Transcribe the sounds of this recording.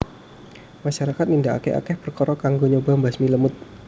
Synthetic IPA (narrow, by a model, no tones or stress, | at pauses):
maʃaɾakat̪̚nindaa̰kɛ̰a̰kɛhpərkɔɾɔkaŋɡoɲobambasmiləmʊt̪̚